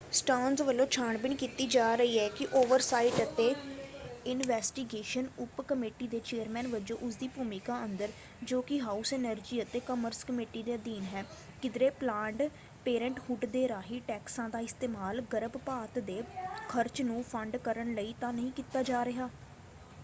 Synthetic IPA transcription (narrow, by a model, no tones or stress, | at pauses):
sʈaːnzʋəlːõːt͡ʃʰaːɳbɪniːkiːt̪iːd͡ʒaːɾəiːɦɛːkɪʔoːʋəɾsaːiʈət̪ẽː | ɪnʋɛːsʈiɡeːʃənʊpkəmeːʈiːd̪eːt͡ʃeːəɾmɛ̃ːnʋɪd͡ʒõːʔʊsd̪iːpuːmɪkaːənd̪əɾ | d͡ʒoːkɪɦaːusɛːnəɾd͡ʒiːət̪eːkəməɾskəmeːʈiːd̪eːd̪iːnɦɛː | kɪd̪ɾeːplãːɳɖ | peːɾə̃ɳʈhʊɖd̪eːɾaːɦiːʈɛːksãːd̪aːɪst̪eːmaːlɡəɾəbpaːt̪d̪eːkʰəɾt͡ʃnũːpʰəɳɖkəɾəɳləiːt̪ãːnəɦĩːkiːt̪aːd͡ʒaːɾɪɦaː